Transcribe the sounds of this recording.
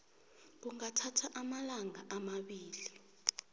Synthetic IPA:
k̬uŋatʰatʰaʔamalaŋaʔamaɓiːli

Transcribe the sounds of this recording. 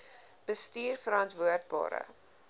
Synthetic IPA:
b̥əstiːrfəɾɑntvuərd̚bɑ̰ːɾə̰

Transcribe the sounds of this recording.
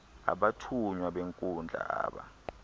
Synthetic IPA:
a̰ɓatʰuɲwaɓeŋkʼund͡ɮʱa̰aːɓa̰

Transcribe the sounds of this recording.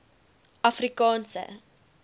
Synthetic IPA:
ɐfrikɑːnsə̰

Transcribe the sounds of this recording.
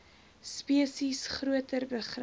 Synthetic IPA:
spiəsisχruətərbəχr

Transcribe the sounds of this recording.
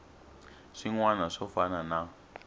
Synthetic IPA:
ʂiŋwanaʂɔfanana

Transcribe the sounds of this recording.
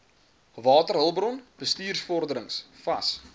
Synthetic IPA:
vɑːtərɦəlˠbrɔnb̥əstiːrsfɔrdəɾəŋsfɐs

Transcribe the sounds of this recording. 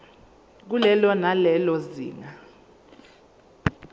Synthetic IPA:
k̬ulɛlɔnalɛlɔzḭːŋa

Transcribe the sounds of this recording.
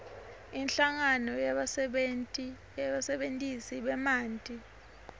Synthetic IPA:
inɬaŋanɔjaɓa | ɓasɛɓentʼisiɓɛmaːntʼi

